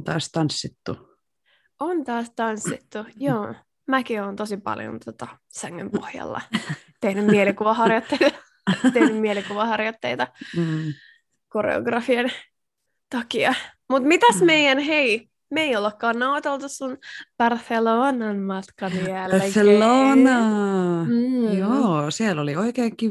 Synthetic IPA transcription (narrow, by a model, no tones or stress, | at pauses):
nt̪ɑːst̪ɑnsːit̪ːu | ʔont̪ɑːst̪ɑnsːit̪ːujoː | mækioːnt̪osipɑ̰ljo̰nt̪ʰot̪ɑ | sæŋːø̰mpo̰hjɑ̰lːɑ̰ | t̪ehnymmielikuʋɑhɑrjot̪ːeit̪ɑ | t̪ehnymmielikuʋɑhɑrjot̪ːeit̪ɑ | koɾḛo̰ɡrɑfien | t̪ɑkiɑmut̪mit̪æsmeijænhei | meiolːekːɑːnnɑwt̪elt̪ussunb̥ɑrθeloːnɑnmɑt̪kɑmiælselːoːnɑ | joːsielːolioikeːŋki